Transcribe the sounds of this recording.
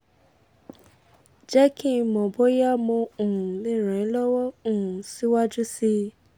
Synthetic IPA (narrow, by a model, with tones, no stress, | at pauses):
d͡ʒɛ˦kĩ˦˨mɔ̃˨bo˦ja˦mõ˧ũ˨le˦˨ɾ̃ɛ̃˨˦lɔ˦wɔ˦ũ˦˨si˨˦wa˦d͡ʒu˦si˦